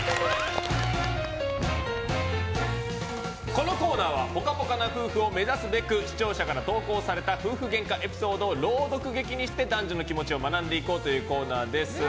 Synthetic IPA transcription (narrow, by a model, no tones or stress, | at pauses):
ko̞no̞ko̞ːnaːβabo̞kapo̞kanaɸɯ̟ːɸɯ̟o̞me̞zasɨbe̞kɯ̟ɕi̥t͡ɕo̞ːɕakaɾat̪o̞ːko̞ːsaɾe̞t̪aɸɯ̟ːɸɯ̟ɡẽ̞ŋkaʔe̞pʲi̥so̞ːd̪o̞ːɾo̞ːd̪o̞kɯ̟ɡe̞kʲiɲ̟iɕi̥t̪e̞d̪ãɲ̟d͡ʑino̞kʲimo̞t͡ɕio̞manãnd̪e̞iko̞ːt̪o̞jɯ̟ːko̞ːnaːd̪e̞sɨ